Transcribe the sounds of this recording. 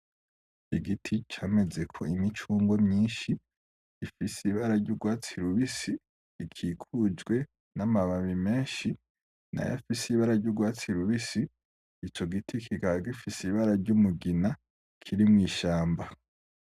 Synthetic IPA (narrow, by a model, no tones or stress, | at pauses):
iɡitʰit͡ʃaːme̞ze̞kʰo̞̰imit͡ʃuːŋɡomɲiːnʃi | ifisiβaɾaɾɟuɡwaːt͡siɾuβisiː | kʰikʰuzɡwe̞ | namaβaβime̞ːnʃi | na̰ja̰fisiβaɾaɾɟuɡwaːt͡siɾuβisiː | t͡ʃo̞ɡitʰikʰikaɡifisiβaɾaɾɟumuɡina | kʰiɾimŋiːʃaːmba